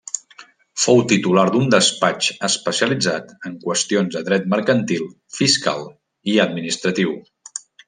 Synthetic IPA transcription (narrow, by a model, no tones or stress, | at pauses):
fowt̪it̪ulaɾd̪und̪əspat͡ʃəspəsiəlid͡zat̪əŋkwəst̪ionzðəðɾɛt̪məɾkənt̪ilˠ | fiska̰lˠ | iəd̪minist̪ɾət̪iw